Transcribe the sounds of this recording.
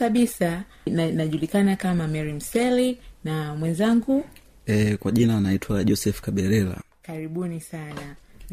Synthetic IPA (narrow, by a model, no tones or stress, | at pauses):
aɓisa | nnaʄulikanakamamɛɾim̩sɛlinamwɛnzaŋɡu | ɛkwaʄinanaitʰwaʄɔsɛfkaɓɛɾɛla̰ | kaɾiɓunisana